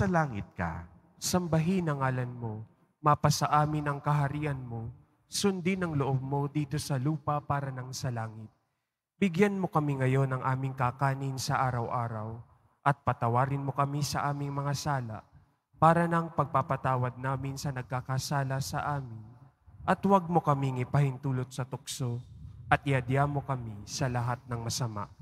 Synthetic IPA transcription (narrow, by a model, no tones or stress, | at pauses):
sɐlaːŋɪ̰t̪̚kɐ̰ | sɐmbɐɦinɐŋaːlɐnmo̞ | mɐpɐsɐʔaːmɪnɐŋkɐɦɐɾiːʔɐnmo̞ | sʊnd̪ɪnɐŋloʔob̚mo̞d̪iːt̪o̞sɐluːpɐpaːɾɐnɐŋsɐlaːŋɪt̪̚ | bɪɡjanmo̞kɐmɪŋɐjo̞nɐŋʔaːmɪŋkakaːnɪnsɐʔaːɾɐwʔaːɾɐw | ʔɐt̪̚pɐt̪ɐwaːɾɪnmo̞kɐmisɐʔaːmɪŋmɐŋɐsaːlɐ̰ | paːɾɐnɐŋpɐɡ̚papɐt̪aːwɐd̪̚naːmɪnsɐnɐɡ̚kakasaːlɐsɐʔaːmɪn | ʔɐt̪wɐɡ̚mo̞kɐmɪŋɪpɐhɪnt̪uːlot̪̚sɐt̪ʊk̚soʔɐt̪̚ʔɪhɐd̪jamo̞kɐmisɐlɐɦat̪̚nɐŋmɐsɐma̰ʔ